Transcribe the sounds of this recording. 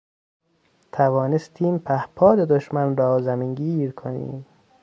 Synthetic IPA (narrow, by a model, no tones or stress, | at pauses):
t̪ʰævɒːnest̪ʰiːmpʰæhpʰɒːd̪ed̪oʃmænɾɒːzæmiŋɡiːɾkʰonḭːm